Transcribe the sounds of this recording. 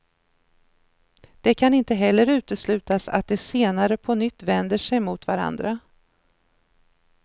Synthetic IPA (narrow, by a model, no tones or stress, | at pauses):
d̪̥ɛkʰanɪnt̪əɦɛlːəɾʉ̟ːt̪əslʉ̟ːt̪asa̰t̪̚d̪ɛseːnaɾəpʰɔnʏt̪ːvɛnd̪əʂɛjmʊt̪vaɾa̰nd̪ɾa